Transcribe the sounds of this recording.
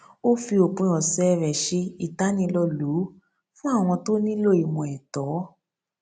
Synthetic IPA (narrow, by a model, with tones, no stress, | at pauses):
o˦fi˧o˨k͡pũ˧˦ɔ˨sɛ˦˧ɾɛ˨ʃe˧i˨ta˨˦nĩ˧lɔ˧lu˨˦ | fũ˦a˦˨w̃ɔ̃˧to˦nĩ˦lo˦˨i˨mũ˧˨ɛ˨tɔ˨˦